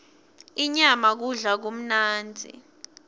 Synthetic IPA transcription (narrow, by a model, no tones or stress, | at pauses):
iɲamak̬uɮak̬om̩naːnd͡zʱḭ